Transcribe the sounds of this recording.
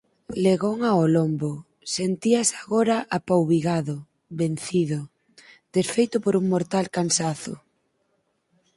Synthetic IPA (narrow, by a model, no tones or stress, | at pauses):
leɣoŋaolombo | sent̪iasaɣoɾaʔapawβiɣaðʊ | βen̟θiðʊ | d̪̥esfejt̪ʊpoɾuŋmoɾt̪alkansaθʊ̰